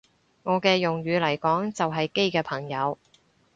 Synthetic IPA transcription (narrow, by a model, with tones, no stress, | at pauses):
ŋɔː˨˧kɛː˧jʊ˨ŋɥyː˨˧lɐ˨˩jkɔː˨˥ŋt͡sɐ˨wɦɐ˨jke˥jkɛː˧pʰɐ˨˩ŋjɐ˨˧w